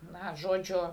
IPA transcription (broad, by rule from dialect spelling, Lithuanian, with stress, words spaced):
ˈnɐ ˈʒoːd͡ʒʲʊ